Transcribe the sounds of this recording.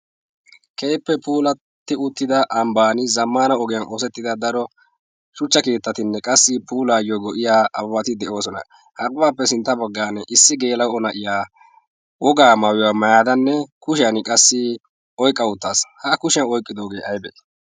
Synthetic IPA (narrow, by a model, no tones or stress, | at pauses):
kejpːɛpʰuːlɐ | t̪ːɪʊt̪ːɪd̪ɐʔɐmbaːnɪzɐmːaːnɐɔɡɛjɐnʔoːsɛt̪ːɪd̪ɐd̪ɐɾɔ | ʃʊt͡ʃːɐkeːt̪ːɐt̪ɪnːɛkʼɐsːɪpuːlaːjɔɡɔʔɪjaːʔɐwɐt̪ɪd̪ɛʔo̞ːsɔnɐ̰ | hɐɡʊbaːpːɛsɪnt̪ːɐbɔɡːaːnːɛʔɪsːɪɡe̞ːlɐwɔnɐʔɪjaː | wɔɡaːmɐwɪjaːmɐjaːd̪ɐnːɛkʊʃɪjɐnɪkʼɐsːɪ | ɔjkʼːɐʊt̪ːaːshɐkʊʃɪjɐnɔjkʼːɪd̪o̞ːɡe̞ːʔɐjbɛ̰